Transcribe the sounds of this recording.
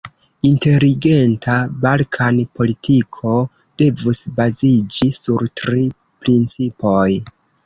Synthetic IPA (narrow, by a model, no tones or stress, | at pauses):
inte̞ɾiɡe̞ntʰabalkʰanpo̞litikʰo̞ | d̥e̞vusbazid͡ʒisuɾtɾi | pɾint͡sipo̞j